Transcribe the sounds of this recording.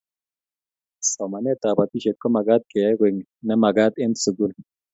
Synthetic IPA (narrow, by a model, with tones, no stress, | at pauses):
so˨ma˨ne˦t̪a˨ba˨t̪i˦ʃe˨kːo˦ma˨ɡa˦t̪̚ke˨ja˦ɡe˨ŋ | nɐ˦ma˨ɡa˦d̪e˦nsɨ˨ɡu˦l